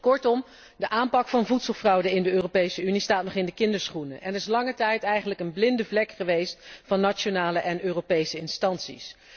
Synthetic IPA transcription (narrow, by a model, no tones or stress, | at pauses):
kɔɹtɔm | dəʔaːmpɑkfɑnvutsəlˠvrɑwdəɪndəøːropejsəynistaːtnɔχɪndəkɪndəɹsχunəʔɛnəɾɪs̬lɑŋətɛjtɛjχənləkənblɪndəvlɛkχəʋejstfɑnːat͡ʃonaːləʔɛnøːropejsəɪnstɑntsḭs